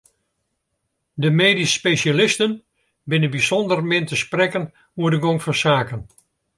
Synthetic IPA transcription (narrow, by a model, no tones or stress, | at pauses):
dəmeːdisːpeʃalɪstən | bɪnəbisɔndərmɪntəsprɛkən | uədəɡoŋfɔnsaːkən